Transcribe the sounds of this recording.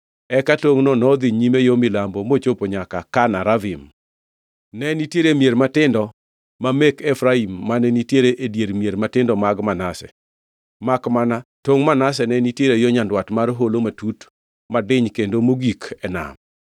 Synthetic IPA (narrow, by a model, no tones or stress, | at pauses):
ɛkatoŋnɔnɔd̪iɲimejomɪlambomot͡ʃopoɲakakanaɾavɪm | nɛnitjeɾemijeɾmatɪndɔ | mamekɛfɾaimːanɛnitjeɾeʔedjeɾmijeɾmatɪndɔmaɡmanasɛ̰ | makmanatoŋmanas̬ɛnɛnitjeɾejoɲandwatmarɦolomatut | madɪɲkendomoɡikɛna̰m